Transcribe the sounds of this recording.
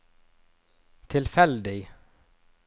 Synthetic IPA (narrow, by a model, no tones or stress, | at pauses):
t̪ʰɪlfɛld̪ɪ